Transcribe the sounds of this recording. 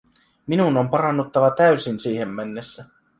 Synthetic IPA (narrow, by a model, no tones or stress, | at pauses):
minuno̞mpɑɾɑnːut̪ːɑʋɑt̪æysinsiːɦe̞mːænːesːæ